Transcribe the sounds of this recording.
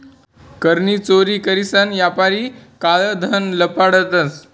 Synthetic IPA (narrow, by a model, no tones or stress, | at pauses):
kəɾniːt͡soɾiːkəɾisanjapaɾiːkaɭəd̪ʱənləpaɽət̪əs